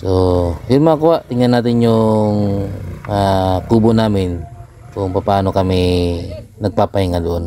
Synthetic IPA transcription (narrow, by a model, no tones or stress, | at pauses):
sohɪɾmakʊaʔt̪ɪŋɐnːaːt̪ɪnjʊŋ | akuːbonaːmɪn | kʊŋpɐpɐaːno̞kɐmɪ | nɐɡ̚papɐhɪŋɐloʔon